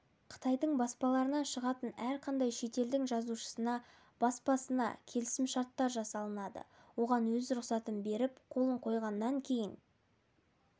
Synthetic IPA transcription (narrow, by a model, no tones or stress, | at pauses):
qʰə̥t̪ɑjd̪əɴbɑspɑlˠɑɾənɑʃəʁɑt̪ənæɾqʰɑnd̪ɑjʃe̞t̪e̞ld̪ɪŋʒɑzuʃə̥sənɑ | b̥ɑspɑsənɑ̰kʲʰe̞lɪsɪmʃɑɾt̪ːɑɾʒɑsɑlˠənɑd̪ə̰wo̞ʁɑnwɵzɾʊqsɑt̪əmbe̞ɾɪpqʰo̞lˠəɴqʰo̞jʁɑnːɑŋkʲʰe̞jɪn